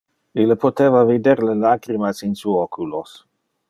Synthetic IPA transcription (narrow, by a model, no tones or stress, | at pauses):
ilːepot̪eːvavid̪eɾlelaːɡɾimasinsuokʰulos